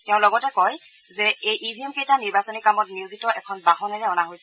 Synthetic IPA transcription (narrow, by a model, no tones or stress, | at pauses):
tɛʊ̃lɔɡɔtɛkɔj | zɛejʔibʱiɛmkejtaniɹbasɔnikamɔtniuzitɔʔɛkʰɔnbaɦɔnɛɹɛɔnaɦojsɛ